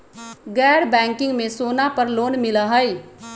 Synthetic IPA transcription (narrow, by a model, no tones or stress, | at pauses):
ɡɛːɾbɛ̃ːŋkɪ̃ŋɡmẽsoːnapəɾloːnmɪləɦəj